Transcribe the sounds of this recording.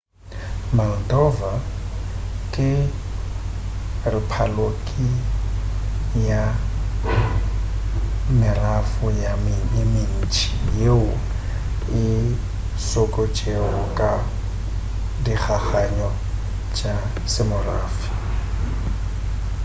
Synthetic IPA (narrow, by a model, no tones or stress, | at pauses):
mal̩dɔva | kʼɪ | rɪpʰalokʼi | ja | mɪrafʊjamɪmɪn̩t͡ʃʰʼi̥jeʊ | ɪ | sɔkʼɔt͡ʃʼeʊkʼa | dik͡xʰaχaɲɔ | t͡ʃʼa | sɪmʊraːfi̥